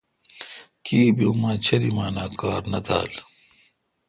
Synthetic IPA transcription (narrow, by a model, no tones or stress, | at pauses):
kiːbiumãːt͡ɕʰɐɾimaːnaːkaːɾnɐt̪ʰa̰ːl